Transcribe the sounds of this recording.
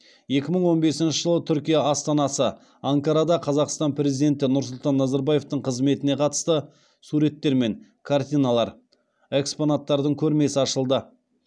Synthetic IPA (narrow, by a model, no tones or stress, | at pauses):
je̞kʲɪməɴwo̞nbe̞sɪnʃəʒəlˠət̪ʰʏɾkʲijaɑst̪ɑnɑsə | ɑŋkɑɾɑd̪ɑqʰɑzɑqst̪ɑnpʰɾʲe̞zijd̪e̞nt̪ɪnʊɾsʊlˠt̪ɑnːɑzɑɾbaje̞ft̪əɴqʰəzme̞t̪ɪne̞qʰɑt̪ə̥st̪ə | suɾe̞t̪ːe̞ɾme̞ŋ | kʰart̪ʲijnalˠɑɾ | e̞kspo̞nat̪ːɑɾd̪əɴkʲʰɵɾme̞sɪɑʃəlˠd̪ə